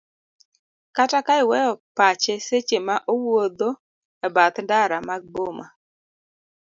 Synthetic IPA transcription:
katakaɪwɛjɔpat͡ʃeset͡ʃemaʔowod̪o | ɛbat̪ndaɾamaɡ̚boma

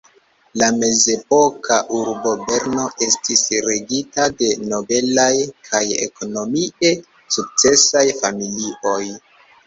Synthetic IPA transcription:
lame̞ze̞po̞kaʔuɾbo̞be̞ɾno̞ʔe̞stisɾe̞ɡitade̞no̞be̞lajkʰajḛko̞no̞miʔe̞ | suk̚t͡se̞sajfamilio̞j

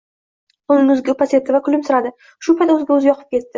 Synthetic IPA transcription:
ʊnɪŋʊzɡʲɪpasʲe̞t̪ːɪvakʰʊlɪmsʊɾad̪ɪ | ʃʊpʰajt̪ɵzɡʲaɵzɪjɒqʰɨp̚kʲe̞t̪ːɪ

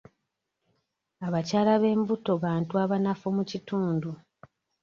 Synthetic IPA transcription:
aβacaːlaβe̞ːmbuto̞βaːntuaβanafomucituːndu

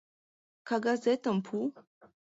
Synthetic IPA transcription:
kaɡazɛt̪əmpʰu

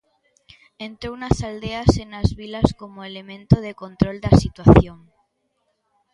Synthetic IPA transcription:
ẽnt̪ɾownasald̪easenazβilaskomoelemẽnt̪oðekont̪ɾold̪asit̪waθjoŋ

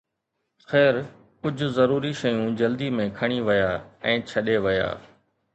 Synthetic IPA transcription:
xɛːɾ | kʊd͡ʑʱʊzɐɾuːɾiʃɐjũd͡ʑɐld̪imẽkʰɐɽ̃iʋɐjaːɛ̃ːt͡ɕʰɐɗeʋɪja̰ː

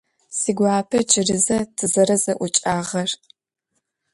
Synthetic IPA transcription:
siːɡʷaːpʰɐd͡ʒʼɪrɨzɐtʰɨzɐɾɐzɐʔʷʊt͡ʃʼaːʁɐr

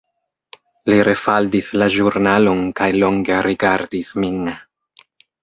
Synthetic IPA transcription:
liɾʔe̞faldislaʒuɾnalo̞nkajlo̞ŋɡeɾiɡaɾdismin

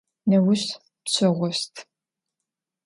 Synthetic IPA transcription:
nɐwʊɕ | pɕɐʁʷɔstʰ

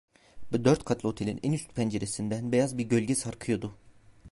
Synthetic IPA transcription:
bud̪øɾt̪kʰat̪lˠo̞t̪ʰe̞lʲinʔɛnyst̪pʰɛnd͡ʒeɾesind̪ænbejazbiɾɟø̞lʲɟɛsaɾkʰɯjo̞d̪ʊ

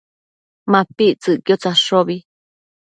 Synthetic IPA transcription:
mãpiʔt͡sɨʔkjot͡saʂoβi

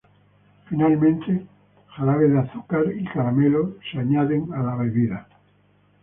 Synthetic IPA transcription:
finalmẽnt̪e | xaɾaβeðaθukaɾikaɾameloseaɲaðeŋalaβeβiða

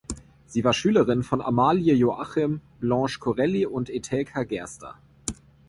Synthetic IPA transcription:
z̥iːvaːɐʃyːləʁɪnfɔna̰maːljəjoʔaχɪmblɑ̃ːʃkʰoʁɛliʊntetʰɛlkʰaɡɛɐstʰɐ̰

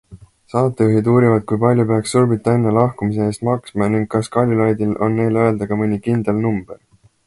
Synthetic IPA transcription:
sɑːt̪ːˑeuɦid̪uːɾivɑd̪̥̚kujpɑlʲjupeɑksːurbit̪ːˑɑe̞nːelɑhkumise̞eːst̪mɑksmɑniŋɡ̥̚kːɑskɑlʲːilɑjd̪ilo̞nːe̞jleøe̞ld̪̥ɑɡɑmɯnʲikind̪̥elnumb̥e̞r

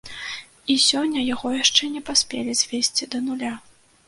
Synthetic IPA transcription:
isʲɔnʲːɐjaɣɔjaʂt͡ʂɛnʲɛpasʲpʲḛlʲizʲvʲesʲt͡sʲid̪ɐnulʲa

